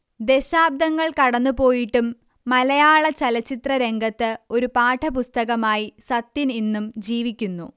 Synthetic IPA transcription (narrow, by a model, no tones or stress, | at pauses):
d̪e̞ɕaːb̚d̪ɐŋːɐɭkɐɽɐnːupo̞ːjiʈːumː | ɐlɐjaːɭɐt͡ɕɐlɐt͡ɕːit̪rɐɾe̞ŋɡɐt̪ːɨo̞ɾupaːʈʰɐpust̪ɐɣɐmaːjisɐt̪ːininːumd͡ʑiːʋikʲːunːṵ